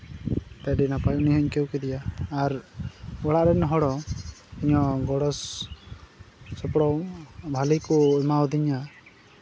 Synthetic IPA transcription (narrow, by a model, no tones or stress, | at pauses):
t̪ɛɖinapajuniɦɔɲkewkɛd̪ijaːɾ | ɔɽaʔɾɛnɔɦɔɽɔiɲɔɡɔɽɔs | sɔpɽɔwbʱalikuɛmaɔd̪iɲa